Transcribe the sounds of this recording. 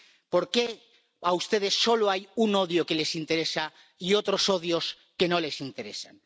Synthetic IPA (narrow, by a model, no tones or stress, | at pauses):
po̞ɾke̞ | aust̪e̞ð̞e̞sːo̞loajuno̞ðjoke̞le̞sint̪e̞ɾe̞sa | io̞t̪ɾo̞so̞ðjo̞s | ke̞no̞le̞sint̪e̞ɾe̞̰san